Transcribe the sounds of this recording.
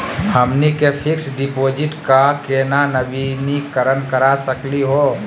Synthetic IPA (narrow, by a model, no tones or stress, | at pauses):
həmnikepʰɪksɖipoːd͡ʒɪʈkakenanəbinikəɾənkəɾasəkliɦo